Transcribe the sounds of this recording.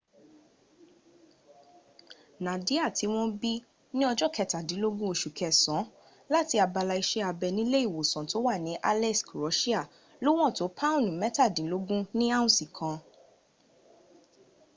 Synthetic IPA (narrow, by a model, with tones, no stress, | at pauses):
nã˨di˨˦a˦˨tʰi˨˧˦w̃ɔ̃˦bi˦ | nĩ˦ɔ˧d͡ʒɔ˦˨kʰɛ˧˨ta˨dĩ˨˦lo˦ɡũ˦o˧ʃu˨kʰɛ˨sɔ̃˨˦ | la˦ti˧a˧ba˧la˧i˧ʃɛ˦a˧bɛ˧nĩ˦le˦i˦˨wo˨sɔ̃˨to˨˦wa˦˨nĩ˨˦ʔa˦˧lɛ˦˨sko˨ɾɔ˨˦ʃi˦a˦˨ | lo˦w̃ɔ̃˦˨to˨˦pʰa˦õ˦˨nĩ˨mɛ˨˦ta˦˨dĩ˨˦lo˦ɡũ˦nĩ˦a˦ũ˨sĩ˨kʰã˧